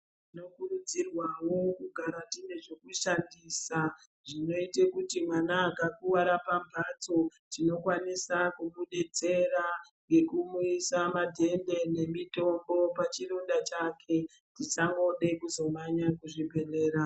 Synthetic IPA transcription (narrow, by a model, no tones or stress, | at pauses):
tino̞kurud͡zirwawo̞kuɡʱaɾatine̞ʐekuʃandisa | ʐino̞itekutimwanaːkakuwaɾapambʱat͡so̞tino̞kwanisakumuɗe̞t͡se̞ɾaŋɡe̞kumuisamadʱe̞nde̞ne̞mito̞mbo̞pat͡ʃiɾondat͡ʃakʰe̞ | tit͡ʃaŋɡo̞ɗe̞kuzo̞maɲakuʐibʱe̞reːɾa